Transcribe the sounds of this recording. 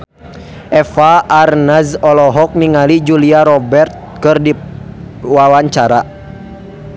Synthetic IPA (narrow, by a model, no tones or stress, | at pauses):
ʔɛfaːrnazɔlɔɦɔk̚miŋalid͡ʒuliaɾɔbɛrt̪̚kɨrdi | wawaɲt͡ʃaɾa